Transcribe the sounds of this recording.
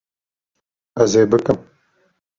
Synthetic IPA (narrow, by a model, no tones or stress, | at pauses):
ɐzeːbɨkɨm